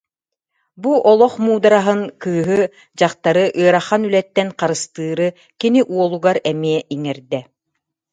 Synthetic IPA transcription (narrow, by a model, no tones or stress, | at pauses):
buʔɔlˠɔχmuːd̪aɾaɦɯnkɯːɦɯ | d͡ʑaχt̪aɾɯʔɯœɾaχanylɛt̪ːɛnqaɾɯst̪ɯːɾɯ | kiniʔuɔlˠuɡaɾɛmiɛʔiŋɛɾd̪ɛ